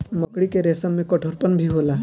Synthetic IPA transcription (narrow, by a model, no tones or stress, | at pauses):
mɔkɽikeɾesəmːẽkɔʈʰoɾpənbʱiɦola